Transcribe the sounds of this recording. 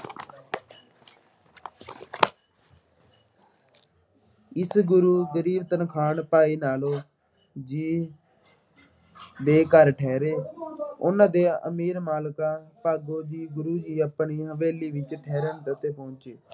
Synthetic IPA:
ɪsɡʊɾuːɡəɾiːbt̪ənkʰaːɳpaːiːnaːloː | d͡ʒiː | d̪eːkəɾʈʰɛːɾeːʊ̰nãːd̪eːə̰miːɾmaːlkaːpaːɡoːd͡ʒiːɡʊɾuːd͡ʒiːəpɳiːɦəʋeːliːʋɪt͡ʃʈʰɛːɾənt̪ət̪eːpɔ̃ːt͡ʃeː

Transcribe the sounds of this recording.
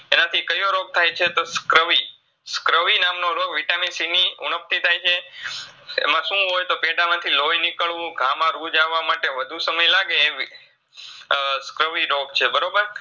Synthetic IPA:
enat̪ʰikəjoɾoɡ̚t̪ʰajt͡ʃʰet̪oskɾəʋi | skɾəʋinamnoɾoɡʋiʈaminsiniunəp̚t̪it̪ʰajt͡ʃʰe | ḛmãʃũɦojt̪opeɖamãt̪ʰilojnikəɭʋũɡʱamãɾud͡ʒaʋːamaʈeʋəd̪ʱũsəməjlaɡeː | skɾəʋiɾoɡt͡ʃʰebəɾobəɾ

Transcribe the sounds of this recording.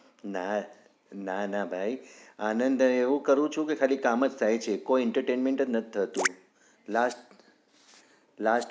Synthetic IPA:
na | nanabʱaianənd̪əeʋũkəɾũt͡ʃʰũkekʰalikaməd͡ʒt̪ʰaɦjt͡ʃʰekoiɛɳʈəɾʈenmẽɳʈəd͡ʒnət̪ʰi̥t̪ʰət̪ũ | lasʈ | lasʈ

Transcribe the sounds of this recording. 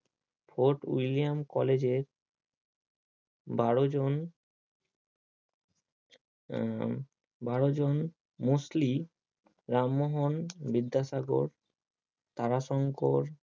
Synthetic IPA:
fʰoɾʈwilijamkɔled͡ʑeɾ | baɾod͡ʑon | baɽod͡ʑon | musli | ɾamːoɦonbid̪ʱːaʃaɡo̰ɾ | t̪aɾaʃɔŋkoɾ

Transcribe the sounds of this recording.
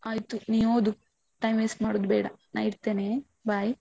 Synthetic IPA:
aːjt̪uniːoːd̪u | ʈɐjmeːsmaːɽud̪bɛːɽɐ̰na̰ːiɾt̪eːneː | baj

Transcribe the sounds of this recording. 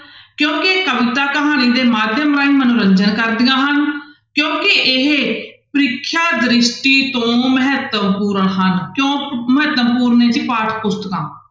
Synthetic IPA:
kjõːkekəʋɪt̪aːkəɦaːniːd̪eːmaːd̪ʱjəmɾaːiːmənʊɾəɲd͡ʒənkəɾd̪ɪjãːɦənkjõːkɪʔɪɦpɾɪkʰːjaːd̪ɾɪʃʈiːt̪õːməɦət̪əpuːɾəɳɦənkjõːməɦət̪əmpuːɾneːt͡ʃipaːʈʰpʊst̪kãː

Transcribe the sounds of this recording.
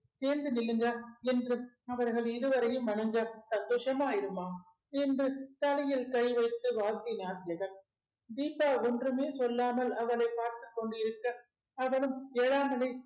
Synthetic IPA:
t̪eːnd̪ɯnɪlːɯŋɡɐɛndrɯ | ɐʋɐɾɣɐɭɪɾɯʋɐɾɐjɯmʋɐɳɐŋɡɐsɐnd̪oːʂɐmaːjɪɾɯmaː | ɛndrɯt̪ɐlɐjɪlkɐɪʋɐɪt̪ːɯʋaːt̪ːinjaːd̪ɪjɐɣɐn | d̪iːpːaːɔndrɯmeːsɔlːaːmɐlɐʋɐɭɐɪpaːɾt̪ɯkːɔɳɖɯɪɾɯkːɐː | ʋɐɭɯmːɻaːmɐlɐɪ

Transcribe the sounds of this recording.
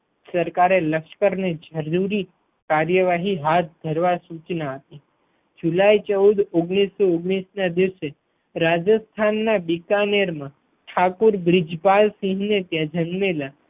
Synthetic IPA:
səɾkaɾeləkʃkəɾned͡ʒəɾuɾi | kaɾjəʋaɦiɦat̪̚d̪ʱəɾʋasut͡ʃnaət̪i | d͡ʒulait͡ʃəwd̪oɡɽ̃isooɡɽisnad̪iʋse | ɾad͡ʒəst̪ʰanːabikaneɾmã | ʈʰakuɾbɾɪd͡ʒpalsĩɦnet̪jãd͡ʒənmela

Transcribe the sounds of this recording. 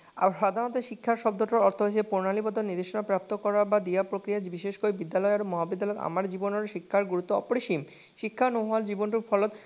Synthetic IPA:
aʃad̪ʱaɾnɔt̪̬eʃikʰːaɾʃɔb̚d̪ʱɔʈoɾɔɾt̪ʰoɦot͡ɕʰepoɾnalibɔd̪oniɾd̪eʃonapɾap̚t̪okɔɾabad̪iapɾokɾijabiʃeʃkoibid̪ːalɔeaɾoŋmɔɦabid̪ːalɔea̰maɾd͡ʑibonoɾʃikʰːaɾɡuɾut̪ːoɔ̰poɾeʃim | ʃikʰːanoɦald͡ʑibonʈuɾfʰɔlot̪

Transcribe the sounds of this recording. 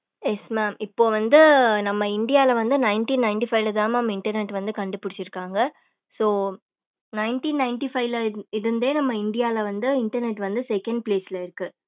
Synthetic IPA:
jɛsmaːmɪpːoːʋɐnd̪ɯnɐmːɐɪɳɖɪjaːɪlɐʋɐnd̪ɯnɐɪnʈiːnɐɪɳʈifɐɪlɐðaːmnɐmːɐɪɳʈɐɾnɛʈːʋɐnd̪ɯkɐɳɖɯpːɪɽɪt͡ʃːɪɾɯkːaːŋɡɐ | soː | nɐɪnʈiːnːɐɪɳʈifɐɪʋlɐɪɾɯnd̪eːnɐmːɐɪɳɖɪjaːlɐʋɐnd̪ɯɪɳʈɐɾnɛʈːʋɐnd̪ɯsɛkɐɳɖ̚pleːsɪlɐɪɾɯkːɯ

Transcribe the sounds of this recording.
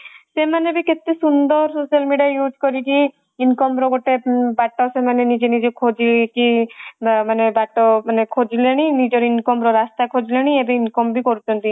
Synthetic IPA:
semanebiket̪ːesund̪ɔɾsosijalmiɖijajud͡ʒʱkɔɾiki | inkɔmɾɔɡoʈebaʈːaosemanenid͡ʒenid͡ʒekʰod͡ʒiki | manebaʈːɔmanekʰod͡ʒileɽ̃inid͡ʒɔɾinkɔmɾɔɾast̪akʰod͡ʒilɔɽ̃iebiinkɔmbikɔɾut͡ʃʰɔnt̪i

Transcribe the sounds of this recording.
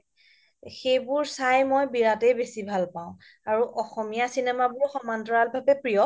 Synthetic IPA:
xejbʊɹsajmɔjbiɹatɛjbesibʱalpãʊ̃ | aɹuʔɔxɔmijasinɛmabʊɹxɔmantɔɹalbʱabɛpɹijɔ

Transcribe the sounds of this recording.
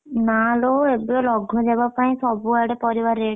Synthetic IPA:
naloebɔlɔɡʱɔd͡ʒɛbapaĩsɔbuaɽɛpɔɾiʋaɾe

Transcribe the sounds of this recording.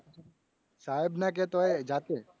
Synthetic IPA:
saːebnak̬et̪oed͡ʒaːt̪e

